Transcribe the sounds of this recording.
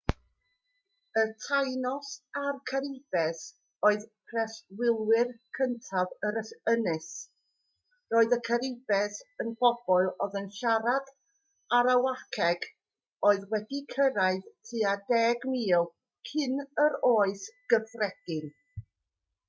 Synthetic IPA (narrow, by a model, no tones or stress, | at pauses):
ətʰajnɔsarkʰaɾɪb̥ɛs | oːɨðpʰrɛswɪlˠwɪrkʰəntʰavəɾəsənɨs | roːɨðəkʰəɾɪbɛsənb̥ɔb̥ɔlˠɔðənʃaɾad̥ | aɾawakʰɛɡ̥ | oːɨðwɛdikʰəɾaɨðtʰɨːadɛɡmiːlˠ | kʰɪnəɾoːɨsɡ̥əfrɛɡ̥ɪn